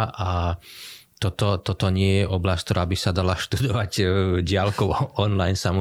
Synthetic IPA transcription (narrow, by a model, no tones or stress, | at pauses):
ʔa | t̪ɔt̪ɔt̪ɔt̪ɔɲɪɛjɛʔɔblasc̚kt̪ɔɾaːbisad̪alaʃt̪ud̪ɔʋaɟɟɪalkɔʊɔnlajnsamɔ